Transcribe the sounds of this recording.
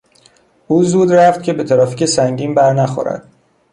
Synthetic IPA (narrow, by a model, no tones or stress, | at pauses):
ʔuːzuːd̪ræft̪̚cʲʰe̞be̞t̪ʰæɾɒːficʰesæŋɟiːmbæɾnæxo̰ɾæ̰d̪̥